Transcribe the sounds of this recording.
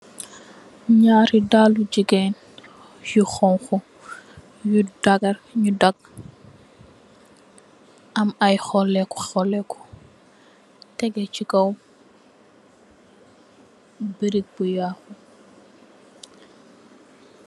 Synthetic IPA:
ɲaːɾidalud͡ʒiɡɛn | juxɔŋxu | judaɡɐɾɲudaɡ̚ | ʔɐmajxɔlːɛkɔ̥xɔlɛkɔ̥ | tɛɡɛt͡ʃikɐw | biɾik̚bujaːxu

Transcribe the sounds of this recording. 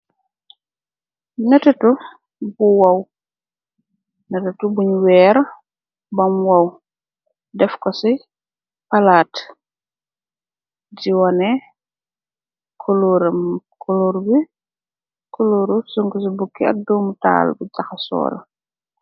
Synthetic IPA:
nɐtɛtu | buwɐw | nɐtɛtubuɲwɛːɾ | bɐmwɐw | dɛfkɔsi | pɐlaːt | diwɐnɛ | kʰuluɾkʰuluɾbi | kuluɾusuŋkus̬ibukːiɐ̰k̚duːmuta̰ːlbuɟɐxɐsɔ̰ːlɐ

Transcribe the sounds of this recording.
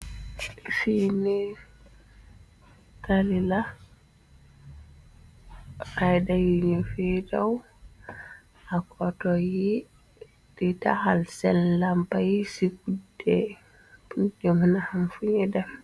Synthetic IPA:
sini | talila | ajdajiɲufidaw | akʰɔtɔji | d̥ita̰halsɛlːampajisikudɛ̥ | und͡ʒɔmanahamfuɲɛdɛf

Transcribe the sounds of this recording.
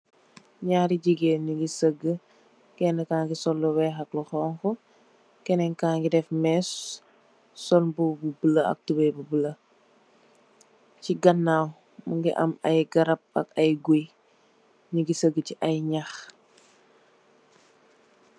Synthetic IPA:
ɲaɾiɟiɡeːɲuɡisəɡːə | kɛnəkaːŋɡisɔlːɔwɛxɐklɔxɔːŋkɔ | kɛnɛŋkaːŋɡidɛfmɛsː | ɔnbububələɐ̰k̚tubɛbubələ | ciɡɐnːaw | muŋɡiʔɐmɐjɡɐɾɐp̚ɐ̰kɐjɡuj | ɲuɡisəɡːəciʔɐjɲax

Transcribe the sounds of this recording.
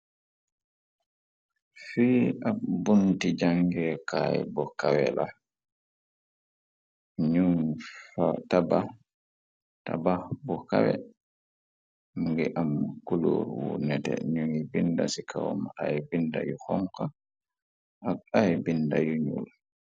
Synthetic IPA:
fiːabuntid͡ʒaŋɡɛːkajbɔkawɛla | ɲuŋfataba | tababɔkawɛ | mɡɛʔamːakuloɾwunɛtɛ̰ɲuŋibinda̰sikʰawɔmajbindajuhɔŋka | ʔaajbindajuɲṵl

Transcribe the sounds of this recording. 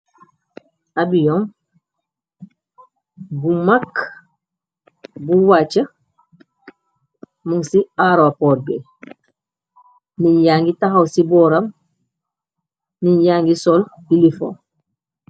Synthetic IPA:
abijɔŋ | bumak | buwat͡ʃa | muŋsiaɾopoːɾbḛ | niɲjaːŋɡitaɦawsibɔːɾam | niɲjaːŋɡisolilifo̰

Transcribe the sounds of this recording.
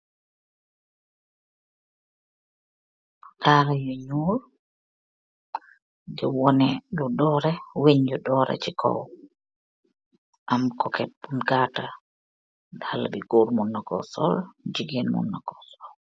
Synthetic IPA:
kaɾajɔɲuːɾ | d͡ʒɛwɔnɛlɔdɔɾɛweɲd͡ʒɔdɔɾɛ̰t͡ʃikʰɔ̰w | ʔamkɔkɛt̚bunɡata | dalabiɡoɾmunːakɔ̰sɔ̰ld͡ʒiɡenmṵnːakɔ̥sɔl

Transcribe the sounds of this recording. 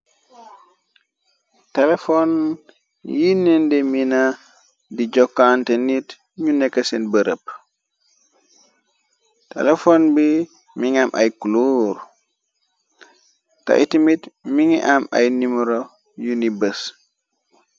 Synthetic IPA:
telefɔn | jinɛndemina | did͡ʒɔkːantenit | ɲunɛkasenbəɾʔə̰p | tḛlefonbi | miŋamʔa̰jkuluɾ | ta̰ʔitimitmiŋiʔama̰jnimɾo | junibəs

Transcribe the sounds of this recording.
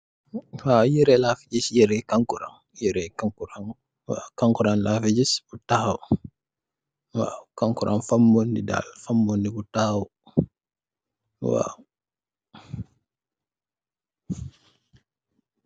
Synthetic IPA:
wajiɾɛlafid͡ʒisjiɾɛkaŋkuɾa̰ŋ | jiɾɛkaŋkuɾan | wa̰kaŋkuɾanlafid͡ʒisbutahw | wa̰kaŋkuɾʔanfamːondida̰lfamːondibutawɔ | wa̰

